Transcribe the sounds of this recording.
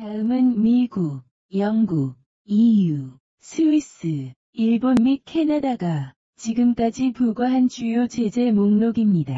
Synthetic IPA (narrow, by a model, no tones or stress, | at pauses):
taɯmɯnmiɡu | jʌŋɡu | iju | sʰɯis͈ɯ | iɭbonmikʰe̞nadaɡa | t͡ɕiɡɯmk͈ad͡ʑipuɡʌɦant͡ɕujot͡ɕe̞d͡ʑe̞moŋnoɡimɲida